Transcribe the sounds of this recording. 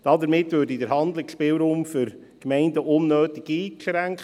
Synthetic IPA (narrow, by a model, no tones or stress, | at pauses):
d̥ɑdəɾmɪtvøːɾdidəɾɦɑndlɪkspɪːwɾuːmfʏɾ | kmɛɪndəʔʊnːøːtɪɡiːʃɾæŋkχə